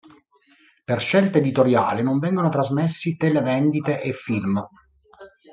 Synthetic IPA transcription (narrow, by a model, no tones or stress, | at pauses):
perʃːɛlt̪aed̪it̪oɾja̰ːlinoɱvɛŋɡonot̪ɾazmesːit̪elevɛnd̪it̪eʔefːilm